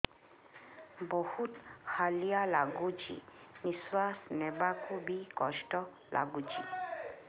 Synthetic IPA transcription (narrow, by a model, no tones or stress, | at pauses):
bohutkʰalijalaɡud͡ʒḭniswasnɛbakʰubikɔsʈɔ | lʔa̰ɡut͡ʃi